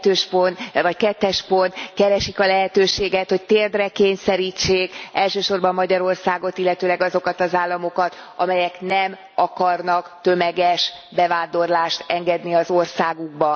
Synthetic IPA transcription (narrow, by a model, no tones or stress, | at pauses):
t̪øːʃponvɒckɛt̪ːɛʃpo̞nt̪kɛɾɛʃikɒlɛɦɛt̪øːʃeːɡɛt̪ho̞ct̪eːrd̪rɛkeːɲsɛɾiːt͡ʃːeːkɛlʃøːʃo̞rbɒmːɒɟɒɾo̞rsaːɡo̞t̪ilːɛt̪øːlɛɡɒzo̞kɒt̪ɒzaːlːɒmo̞kɒt̪ | ɒmɛjɛknɛm | ɒkɒrnɒkt̪ø̞mɛɡɛʃ | bɛvaːnd̪o̞rlaːʃt̪ɛŋɡɛd̪niɒzo̞rsaːɡuɡ̚bɒ